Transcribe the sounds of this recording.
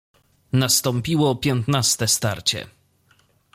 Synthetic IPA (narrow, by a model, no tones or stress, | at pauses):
nast̪ɔmpʲiwɔpʲjɔnt̪nast̪ɛst̪aɾt͡ɕɛ̰